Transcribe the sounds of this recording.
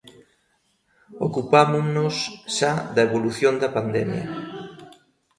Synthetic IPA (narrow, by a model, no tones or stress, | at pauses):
o̰kupamʊnʊsʃaðɐeβoluθjond̪ɐpand̪ɛ̰mjɐ̰